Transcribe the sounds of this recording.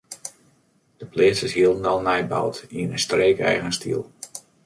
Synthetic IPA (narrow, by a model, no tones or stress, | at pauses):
d̥əplɪːsəsɦiəlˠən̩dalˠnɛjba̰wtiənəstreːkɛ̰jɣənstʰḭlˠ